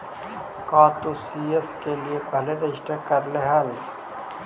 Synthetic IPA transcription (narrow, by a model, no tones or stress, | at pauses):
kaːt̪usieskeliebʱɐled̪eʃʈekɐɾleɦəl